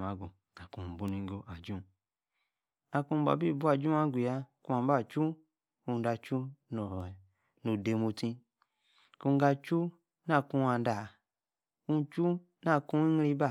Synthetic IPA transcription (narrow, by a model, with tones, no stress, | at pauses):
ma˨˦ɡu˨ | a˨kũ˨bu˨˧ni˧ŋ˦ɡo˦ʔa˨d͡ʒũ˦ | a˧kũ˧m˨˦ba̰˨bi˦˨bu˦a˨d͡ʒu˦a˦ɡʷu˨ja˧ku˧˦a˧m˦ba˦˨t͡ʃu˦ | ku˧˦da˧t͡ʃu˦no˨ | nu˨de˧mu˧tĩ˧ | ku˧˦ɡa˧t͡ʃu˦ | na˦kũ˧a˧n˦da˨ | ku˧˦t͡ʃu˦ | na˦˧˨kũ˧i˦ŋ˦ɾi˧˦ba˦˨